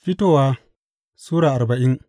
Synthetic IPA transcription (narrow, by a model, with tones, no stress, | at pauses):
ɸi˦toː˦˨waː˦ | suː˦ɽaː˨ʔa˨ɾba˨ʔɪ˦n